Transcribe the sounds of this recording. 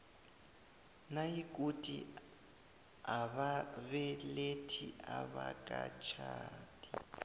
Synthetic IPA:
naikʼutʼi | aβaβɛletʰiaβakʼat͡ʃʰaːtʼi

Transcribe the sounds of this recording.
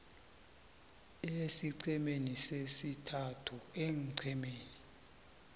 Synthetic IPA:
esiǀɛmenisesitʰatʰuɛŋǀʰɛmeːni

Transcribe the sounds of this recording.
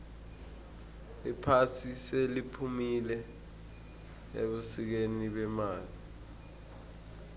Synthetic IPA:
ipʰasiselipʰumilɛ | ḛɓusik̬eniɓɛmaːli

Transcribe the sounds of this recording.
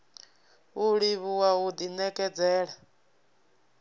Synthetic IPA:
uɺiβuwaud̪inɛkʼɛd͡zɛːɺa

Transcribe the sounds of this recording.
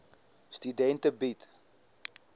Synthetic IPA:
stydɛntəbit

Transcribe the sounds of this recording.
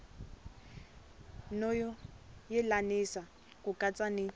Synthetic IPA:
nɔjɔjɛlanisa | kʼukʼat͡sʼani

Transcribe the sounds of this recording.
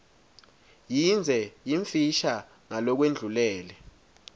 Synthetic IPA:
jind͡zʱɛjiɱfiʃa | ŋalɔk̬wend͡ɮʱulɛːlɛ

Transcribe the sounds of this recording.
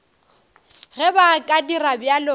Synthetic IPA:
ɣɛbakʼadirabjalo

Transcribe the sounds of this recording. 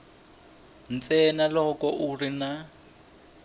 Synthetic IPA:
n̩t͡sʼɛnalɔkɔʔurina

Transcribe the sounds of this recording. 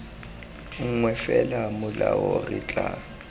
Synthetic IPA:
ŋ̩ŋwɛfɛlamʊlaɔrɪt͡ɬʼa

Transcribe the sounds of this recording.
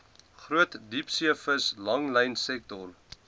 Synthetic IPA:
χruətdipsiəfəslɐŋlɛjnsɛk̚tɔr

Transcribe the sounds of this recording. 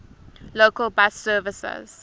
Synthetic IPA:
loːkəlˠbasɜːvɪsə̰z̥

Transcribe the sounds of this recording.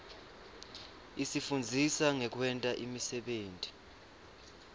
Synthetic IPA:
isifund͡zʱisaŋɛk̬wɛntʼaʔimisɛɓeːntʼi

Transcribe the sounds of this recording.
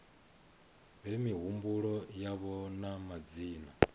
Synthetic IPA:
βɛmiɦumbuɺɔjaβɔnamad͡ziːna

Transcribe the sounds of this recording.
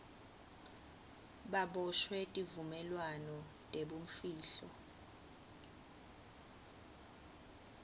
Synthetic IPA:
ɓaɓɔʃwɛtʼivumɛlwanɔ | tʼeɓum̩fiːɬɔ̰

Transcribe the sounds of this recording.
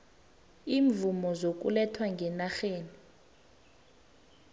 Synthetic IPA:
iːɱvumɔzok̬ʼṵlɛtʰwaŋɡʱɛnaxeːni

